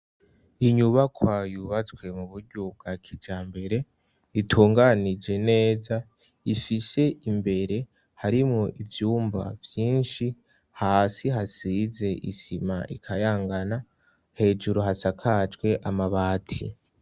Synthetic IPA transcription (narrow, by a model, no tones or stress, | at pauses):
iɲuβakʰwajuβat͡swe̞muβuɾɟob̚ɡakʰid͡ʒaːmbe̞ɾe̞ | itʰuːŋɡanid͡ʒe̞ne̞ːza | ifise̞ʔimbe̞ɾe̞ | haɾimŋoʔivjuːmba̰vjiːnʃi | haːsiɦasize̞ʔḭsima̰ʔikʰajaːŋɡana | he̞ːd͡ʒuɾoɦasakʰad͡ʒɡwe̞ʔamaβaːtʰḭ